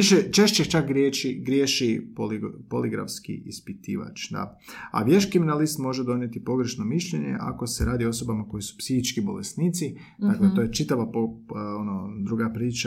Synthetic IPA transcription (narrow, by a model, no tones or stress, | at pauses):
iʃet͡ʃe̞ʃt͡ʃext͡ʃakɡɾjet͡ʃiɡɾʲjeːʃipolipoliɡɾa̰fskḭʔispit̪ḭːʋa̰t͡ʃd̪a̰a̰ʋje̞ʃkɾiminalist̪mo̞ʒed̪o̞nje̞t̪ipo̞ɡɾeʃno̞miʃʎeɲḛʔa̰ko̞seɾaːd̪io̞so̞bamako̞jisu̥psixit͡ʃkibo̞lest̪niːt̪si | d̪aklet̪o̞ːjet͡ʃit̪aʋapoonod̪ɾuɡapɾiːt͡ʃa